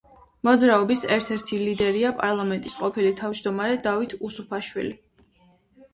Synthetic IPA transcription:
mɔd̪zɾaɔbisɛɾt̪ʰɛɾt̪ʰilid̪ɛɾiapʼaɾlˠamɛnt̪ʼisqʼɔpʰilit̪ʰavd͡ʒd̪ɔmaɾɛd̪avit̪ʰusupʰaʃwḭli

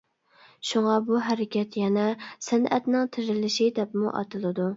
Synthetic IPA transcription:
ʃuŋɑbuɦæɾɪkʲɛt̪jɛnɛsænɛ̰t̪nɪŋt̪ʰɪɾɪlɪʃid̪ɛpmṵʔɑ̰t̪ʰɨlˠɨd̪u

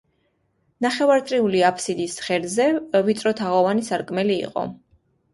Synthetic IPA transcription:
naχɛvaɾt̪sʼɾiuliapʰsid̪isχɛɾzɛvit̪sʼɾɔt̪ʰaʁɔvanisaɾkʼmɛliḭqʼɔ̰

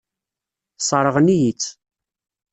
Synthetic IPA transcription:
sˤɑɾˤəʁnijit͡sː

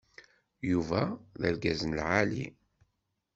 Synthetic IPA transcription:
juvæðəlɡæzənlʕalḭ

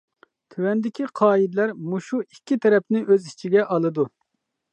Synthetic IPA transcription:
t̪ʰywɛnd̪ɪkʲiqʰɑːid̪læɾmuʃuikʲʰːit̪ʰɛɾɛpnɪʔøzit͡ʃʰiɡʲɛʔɑlˠɨd̪u

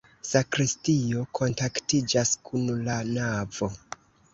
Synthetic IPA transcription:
sakɾistio̞kʰo̞ntaktid͡ʒaskʰunlanavo̞

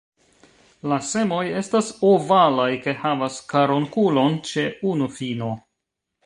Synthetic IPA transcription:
lase̞mo̞je̞stasovalajke̞havaskaɾoŋkulo̞nt͡ʃe̞unufino̞

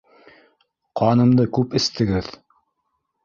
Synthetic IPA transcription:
qɑnɤ̆md̪ɤkʉpɘ̆st̪ɘ̆ɡɘð

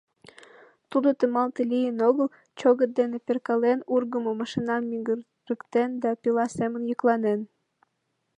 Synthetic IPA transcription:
t̪ud̪ot̪əmɑlt̪əlijənoɣəl | t͡ɕoɣət̪̚d̪eneperkɑlenurɣəmomɑʃinɑmːiɡə | rəkt̪end̪ɑpilɑsemə̆njəklɑnen

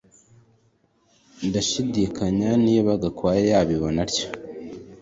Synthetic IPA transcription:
ndaʃidikaɲaniβaɡakwaːjejaːβiβonaɾco̥

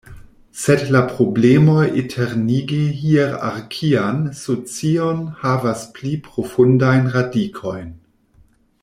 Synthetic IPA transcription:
sedlapɾo̞blemo̞jetʰeɾniɡihieɾa̰ɾkʰiansot͡sionhavasplipɾo̞fundajnɾadikʰo̞jn

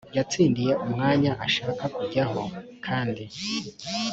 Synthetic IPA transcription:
jat͡siːndije̞ʔumŋaːɲaʔaʃaːkakuɟaho̞̰kʰaːndi

